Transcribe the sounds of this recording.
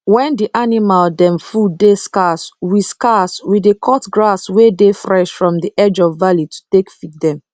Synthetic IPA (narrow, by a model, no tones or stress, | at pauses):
wɛ̃ndiʔanimaldɛ̃mfudeskaswiskaswidekʰɔtɡɹaswedefɹɛʃfɹɔ̃mdiʔɛd͡ʒɔvːalitu̥tekfit̚dɛ̃m